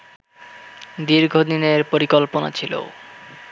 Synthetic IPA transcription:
d̪iɾɡʱod̪ineɾpoɾikolpona̰t͡ɕʰilo̰

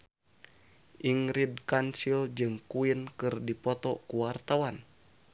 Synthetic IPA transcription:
ʔiŋɾidkansild͡ʒɨŋkuinkɨrdipɔt̪ɔkuwart̪awan

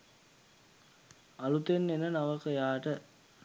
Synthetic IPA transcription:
alut̪enːenənaʋəkəjaːʈə

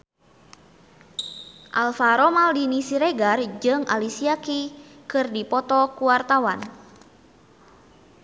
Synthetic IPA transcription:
ʔalfaɾɔmaldinisiɾɛɡard͡ʒɨŋa̰lisiakikɨrdipɔt̪ɔkuwart̪awan

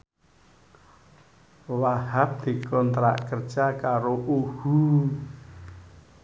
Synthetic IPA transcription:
wahap̚d̪̥i̤kɔnt̪ɾa̰ʔkərd̥ʒ̥akaɾoʔuhu

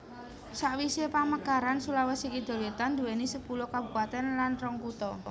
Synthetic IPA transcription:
saʔwisepaməkaɾansulawasikid̪̥ɔ̤lwet̪and̪uɛnisəpulɔkabupat̪ɛnlanrɔŋkut̪ɔ

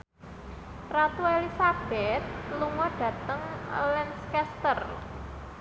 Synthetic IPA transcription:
rat̪uelisab̥ɛt̪̚luŋɔɖ̥ä̤t̪əŋlɛnskɛst̪ər

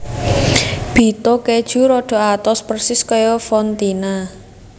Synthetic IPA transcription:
b̥i̤t̪ɔked̥ʒ̥uɾɔɖ̥ɔ̤at̪ɔspərsɪskɔjɔfɔnt̪ina

